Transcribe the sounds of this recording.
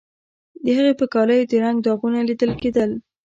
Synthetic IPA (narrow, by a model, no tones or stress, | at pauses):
d̪əhəɣepəkɑləjod̪əɾaŋɡ̚d̪ɑɣunalid̪əlked̪əl